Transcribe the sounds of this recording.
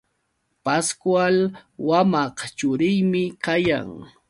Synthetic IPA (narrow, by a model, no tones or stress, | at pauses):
paskwalwamɑqt͡ʃʊɾɪjmɪkaja̰ŋ